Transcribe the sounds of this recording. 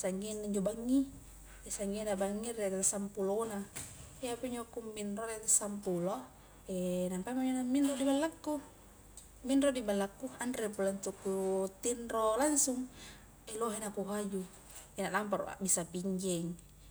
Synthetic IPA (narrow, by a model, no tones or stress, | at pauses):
saŋɡinaiɲd͡ʒobaŋːi | esaŋɡinabaŋːiɾet̪asampulona | eapeɲd͡ʒokumbinroɾet̪asampulo | enampamaɲd͡ʒonamːinrodibalːakːu | minrodibalːakːuandɾepulant̪ukːut̪inɾolansuŋ | eloɦenapuɦad͡ʒu | enalampaɾṵʔa̰bisapiɲd͡ʒɛŋ